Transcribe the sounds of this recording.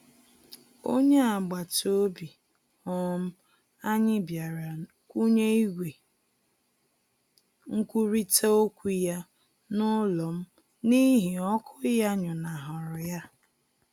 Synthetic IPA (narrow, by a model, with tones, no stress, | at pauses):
o˦ɲe˦a˨ɡ͡ba˨to˦bi˨ | ɔ˨˦m̩˦ | a˦ɲɪ˦bja˨ɾa˨ | ku˦ɲe˦i˦ɡʷe˨ | ŋ̩˦kʷu˦ɾi˦ta˦o˦kʷi˦ja˦ | nʊ˦lɔ˨m̩˦ | ni˦ɦi˨ɔ˦kʰʊ˦ja˦ɲʊ˨na˨ɦʊ˨ɾʊ˨ja˦